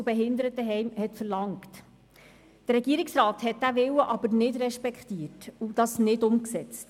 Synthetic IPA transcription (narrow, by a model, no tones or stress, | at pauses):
ʊbɛɦɪnd̪əɾət̪əɦɛjmhɛtfəɾlɑŋkt | d̥əɾːɛɡ̥iːɾɪksrɑːthɛt̚d̥æʋɪwəʔɑbəɾnɪdɾɛʃpɛkχtiəɾtud̥ɑsnɪdʊmksɛt͡st